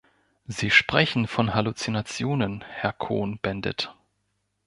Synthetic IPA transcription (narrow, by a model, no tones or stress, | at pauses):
ziːʃpʁ̥ɛçn̩fɔnɦalut͡sinat͡sjoːnənhɛɐkʰo̰ːnb̥ɛndə̰t